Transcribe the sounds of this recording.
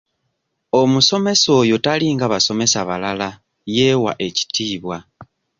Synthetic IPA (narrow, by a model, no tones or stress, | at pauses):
o̞muso̞me̞so̞ːjo̞taliŋɡaβaso̞me̞saβalala | je̞ːwa̰ʔe̞ci̥tiːβwa